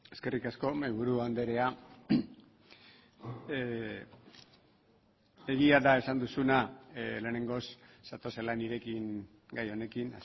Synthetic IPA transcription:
e̞ske̞rikasko̞majβuɾuand̪e̞ɾe̞a | e̞ɣiaðae̞sand̪usunale̞ːne̞ŋɡo̞sːat̪o̞selaniɾe̞kiŋ | ɡajo̞ne̞kina̰s

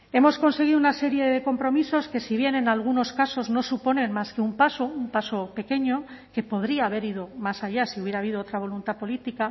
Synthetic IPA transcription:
e̞mo̞sko̞nse̞ɣ̞iðunase̞ɾje̞ð̞e̞ko̞mpɾo̞miso̞ske̞siβ̞je̞ne̞nalɣ̞uno̞skaso̞zno̞supo̞ne̞nmaskeumpasoumpaso̞pe̞ke̞ɲo̞ke̞po̞ð̞ɾiaːβ̞e̞ɾið̞o̞masaʎasiuβjeɾaβ̞iðoot̪ɾaβ̞o̞lunt̪apo̞lit̪ika

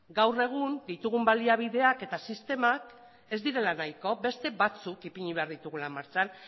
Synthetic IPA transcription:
ɡawre̞ɣ̞und̪it̪uɣ̞umbaliaβ̞ið̞e̞ake̞t̪asist̪e̞mak | e̞zd̪iɾe̞lanajko̞be̞st̪e̞βat͡sukipiɲiβeaɾð̞it̪uɣ̞ulamaɾt͡san

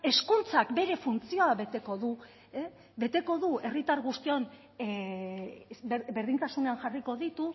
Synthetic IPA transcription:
e̞skunt͡sakbe̞ɾe̞funt͡sio̞aβe̞t̪e̞ko̞ðu | e | βe̞t̪e̞ko̞ðue̞rit̪aɾɣust̪io̞n | be̞ɾðint̪asune̞anʝariko̞ðit̪u

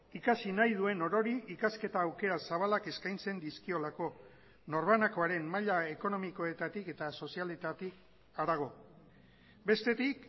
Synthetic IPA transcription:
ikasinajð̞ue̞no̞ɾo̞ɾiikaske̞t̪aːwke̞ɾasaβ̞alake̞skajnt͡se̞nd̪iskio̞lako̞ | no̞ɾβanako̞aɾe̞mmaʎae̞ko̞no̞miko̞e̞t̪at̪ike̞t̪aso̞sialet̪at̪ik | aɾaɣ̞o̞ | be̞st̪e̞t̪ik

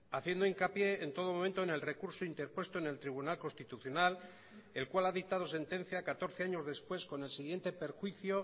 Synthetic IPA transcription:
aθje̞nd̪oiŋkapje̞ːnt̪o̞ð̞o̞mo̞mẽnt̪o̞ene̞lre̞kuɾsoint̪eɾpwe̞st̪o̞ene̞lt̪ɾiβ̞unalko̞nst̪it̪uθjo̞nal | e̞lkwalaðik̚t̪að̞o̞s̬e̞nt̪ẽ̞n̟θjakat̪o̞ɾθe̞aɲo̞zðe̞spwe̞sko̞ne̞lsiɣ̞je̞nt̪e̞pe̞ɾxwiθjo

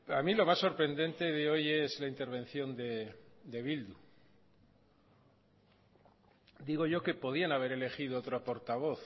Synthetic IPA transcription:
amilo̞masːo̞ɾpɾe̞nd̪e̞nt̪e̞ðeo̞je̞zlaint̪e̞ɾβ̞e̞n̟θjo̞nd̪e̞d̪e̞βild̪u | d̪iɣo̞ʝo̞ke̞po̞ðianaβ̞e̞ɾe̞le̞xiðoot̪ɾopo̞ɾt̪aβ̞o̞θ

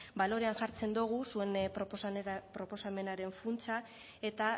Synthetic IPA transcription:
balo̞ɾe̞anʝaɾt͡se̞nd̪uɣ̞usue̞np | pɾo̞po̞same̞naɾe̞ɱfunt͡sa | e̞t̪a

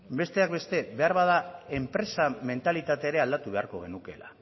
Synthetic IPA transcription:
be̞st̪e̞akbe̞st̪e̞be̞aɾβað̞ae̞mpɾe̞same̞nt̪alit̪at̪eːɾe̞ald̪at̪uβe̞a̰ɾko̞̰ɣ̞e̞nuke̞̰la̰

